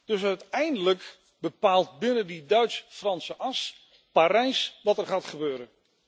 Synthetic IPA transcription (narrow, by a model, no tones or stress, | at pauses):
d̥ɵsœɥtɛjndələk | bəpaːlˠt̚bɪnəndidœɥtsfrɑnsəʔɑs | paːɾɛjsʋɑtɛrχaːtχəbøːɾə